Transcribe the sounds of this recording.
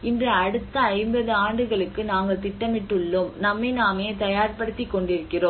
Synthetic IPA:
ɪndrɐɐɽɯt̪ːɐɐɪmbɐðɯaːɳɖɯɣɐɭɯkːɯnaːŋɡɐɭt̪ɪʈːɐmɪʈːɯɭːɯmnɐmːɐnaːmeːt̪ɐjaːɾpɐɽɯt̪ːɪkːɔɳɖɪɾɯkːɪroːm

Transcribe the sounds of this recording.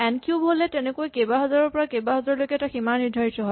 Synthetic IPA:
ɛnkjubʱolɛtɛnɛkojkejbaɦɔzaɹɔɹpɔɹakejbaɦɔzaɹɔlojkɛtaximaniɹdʱaɹitɔɦɔj

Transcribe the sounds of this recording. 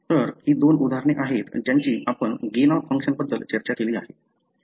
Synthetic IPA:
t̪əɾɦiːd̪onud̪ʱaɾɳ̃eʔaɦet̪d͡ʑjaɲt͡ɕiːʔapəɳɡenafəŋkʂənbəd̪ːəlt͡ɕəɾt͡ɕakeliːaɦe

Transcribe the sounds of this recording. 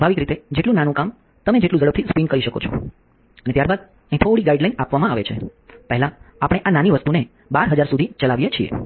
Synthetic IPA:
bʱaʋikɾit̪ed͡ʒeʈlũnanũkam | t̪əmed͡ʒeʈlũd͡ʒəɽəp̚t̪ʰispinkəɾiʃəko̰t͡ʃʰɔ̰ | ənet̪jaɾbad̪̚ | ĩt̪ʰoɽiɡaiɖlainapʋamãaʋet͡ʃʰḛpɛɦɛlãapɽ̃eʔananiʋəst̪une | baɾɦəd͡ʒaɾsud̪ʱit͡ʃəlaʋjet͡ʃʰiḛ

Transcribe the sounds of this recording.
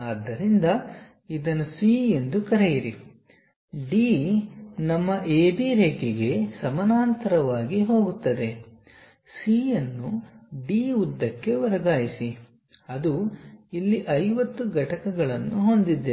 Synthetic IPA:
ɐːd̪ːɐɾind̪ɐ | id̪ɐnːusie̞nd̪ukɐɾejiɾi | ɖiː | nɐmːɐʔeːbiːɾeːkeɡe̞sɐmɐnaːnt̪ɐɾɐʋaːɡiɦo̞ːɡut̪ːɐd̪e̞ | siːjɐnːuɖiːud̪ːɐkːe̞ʋɐɾɐɡaːjisi | ɐd̪uilːiʔɐjʋɐt̪ːuɡɐʈɐkɐɡɐɭɐnːuɦo̞nd̪id̪ːe

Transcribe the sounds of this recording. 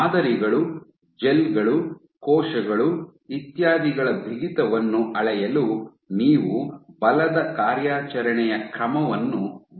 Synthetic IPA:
d̪ɐɾiɡɐɭu | d͡ʒelɡɐɭu | kɔːʃɐɡɐɭuit̪jaːd̪iɡɐɭɐbʱiɡit̪ɐʋɐnːuʔɐɭɛjɐlu | niːʋubɐlɐd̪ɐkaːɾjaːt͡ʃɐɾɐɳɛjɐkɾɐmɐʋɐnːu

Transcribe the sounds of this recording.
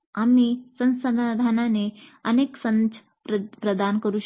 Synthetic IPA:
amisə̃nsəd̪ad̪ʱananeəneːksə̃nd͡ʒ | pɾpɾəd̪ankəɾuːɕ

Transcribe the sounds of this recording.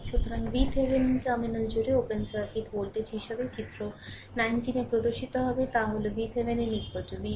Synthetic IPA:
ʃut̪ʰoɾaŋbit̪ʰebenikaminald͡ʑoɾeopensaɾkiʈ̪ʰbolʈet͡ʃɦiʃebet͡ɕit̪ːɾo | najnʈinepɾod̪oɾʃit̪oɦɔbet̪aɦolebit̪ʰɦebeninikpod͡ʑobi

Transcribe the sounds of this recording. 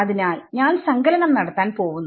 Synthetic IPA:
ɐðinaːlɲaːnsɐŋɡɐlɐnɐmnɐɽɐt̪ːaːnpo̞ːʋunːu

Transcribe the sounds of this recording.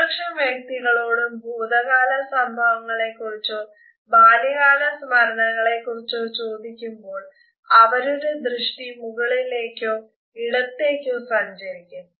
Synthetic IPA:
ɐkʂɐʋjɐk̚t̪iɣɐɭo̞ːɽumbʱuːd̪ɐɣaːlɐsɐmbʱɐʋɐŋːɐɭe̞kːurit͡ɕːo | baːliɣaːɳɐsmɐɾɐɳɐŋːɐɭe̞kːurit͡ɕːot͡ɕːo̞ːd̪ikʲːumbo̞ːɭ | ɐʋɐɾuɾed̪rɨʂʈimuɣɐɭile̞ːkʲːo | iɽɐt̪ːe̞ːkʲːosɐɲd͡ʑɐɾikʲːunːɐ

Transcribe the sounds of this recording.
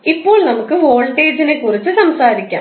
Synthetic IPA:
ipːo̞ːɭnɐmukːɨho̞ːɭʈe̞ːd͡ʑinekːurit͡ɕːɨsɐmsaːɾikʲːa̰ː

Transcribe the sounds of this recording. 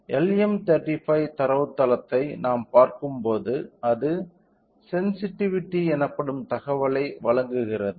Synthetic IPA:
ɛlɛmt̪ɐɾʈːifɐɪt̪ɐɾɐʋt̪ːɐlɐt̪ːɐɪnaːmpaːɾkɯmpoːðɯɐðɯ | sɛnsɪʈːɪʋɪʈːiɛnɐpːɐɽɯmt̪ɐɣɐʋɐɭɐɪʋɐɭɐŋɡɯɣɪrɐðɯ

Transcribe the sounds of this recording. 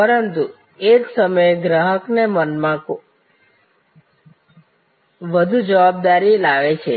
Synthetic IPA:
pəɾənt̪u | eksəməeɡɾaɦəknemənmãko | ʋəd̪ʱud͡ʒəʋab̚d̪aɾilaʋet͡ʃʰe

